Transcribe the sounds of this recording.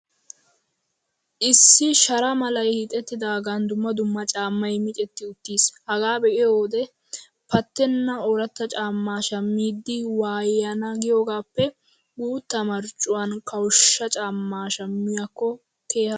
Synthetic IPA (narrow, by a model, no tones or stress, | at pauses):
ʔɪsːɪʃɐɾɐmɐlɐjhit̪ʼɛt̪ːɪd̪aːɡand̪ʊmːɐd̪ʊmːɐt͡ʃʼaːmːɐjmɪt͡ʃʼɛt̪ːɪʊt̪ːiːshɐɡaːbɛʔɪjoːd̪ɛ | pɐt̪ːɛnːɐoːɾɐt̪ːɐt͡ʃʼaːmːaːʃɐmːiːd̪ːɪwaːjːɐnɐɡɪjoːɡaːpːɛ | buːt̪ːɐmɐɾt͡ʃʼːʊwɐnkʰɐwʃːɐt͡ʃʼaːmːaːʃɐmːɪjɐkːɔ | ke̞ːhɐ